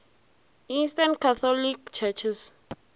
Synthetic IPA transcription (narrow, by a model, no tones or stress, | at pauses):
ĩnstãnkʰaθʰɔlikt͡ʃʰɛt͡ʃʰis